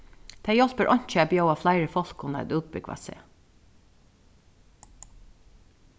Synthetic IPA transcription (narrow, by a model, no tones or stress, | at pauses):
t̪ʰæːjɔlpəɹʔɔɲ̥t͡ʃəæbjoʊɑflæɪɹəfɔl̥kʊnə̰d̪ʉːd̪̚bʏɡʋɑ̰sḛː